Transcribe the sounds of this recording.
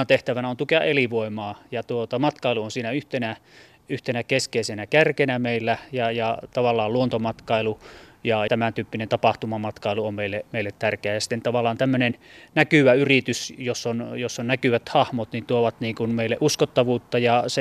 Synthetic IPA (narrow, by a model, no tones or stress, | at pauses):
ɑt̪eht̪æʋænæont̪ukeɑ̰ʔʔeliʋoˑemɑːjɑt̪uot̪ɑmɑt̪kɑˑeluonsiːnæyht̪enæ | yht̪enækeskeˑisenækærkenæmeilːæjɑjɑt̪ɑʋɑlːɑːluont̪omɑt̪kɑˑilujɑt̪æmænt̪yːpːinent̪ɑpɑht̪umɑmɑt̪kɑˑiluommeilːemeˑilːet̪t̪ærkeæjɑsi̥t̪ːent̪ɑʋɑlːˑɑːnt̪æmːønennækyʋæyrit̪ysjosːonjosːonnækyʋæt̪hɑhmot̪nint̪uoʋɑt̪niːŋkunmeˑilːeʔuskot̪ːɑʋuːt̪ːɑjɑse